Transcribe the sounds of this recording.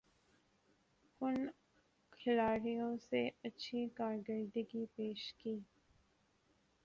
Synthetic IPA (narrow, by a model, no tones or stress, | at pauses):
kʊn | kʰɪlaːɾijõseɐtːʃʰikaːɾɡəɾd̪əɡipeːʃkiː